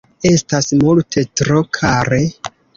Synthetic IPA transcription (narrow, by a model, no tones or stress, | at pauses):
e̞stasmultʰe̞tɾokʰaɾe̞